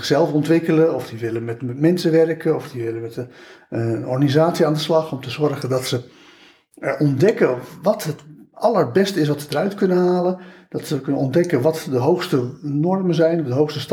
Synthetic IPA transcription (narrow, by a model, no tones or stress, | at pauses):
ɪxsɛlˠfɔntʋɪkələɔfdiʋɪlənmɛtmɛmɛnsəʋɛrkəɔfdiʋɪlənmɛtəəɔ̰rɣanizaːtsiaːndəslɑxɔmtəzɔɹɣədɑtsə | ɛɹɔndɛkəʋɑtɦətɑlərbɛstəɪs̬ʋɑtsədərœɥtkɵnənɦaːlənd̥ɑtsəkɵnənɔndɛkənʋɑtdəɦowxstənɔɹmənzɛjnɔvdəɦowxstəst